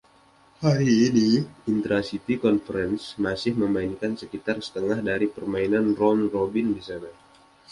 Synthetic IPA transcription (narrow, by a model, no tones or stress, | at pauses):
haɾiːniint̪ɾasit̪ikɔnfəɾɛnsmasɪhməmainkansəkit̪arsə̥t̪əŋahdaɾipərmainanrɔnrobɪndisana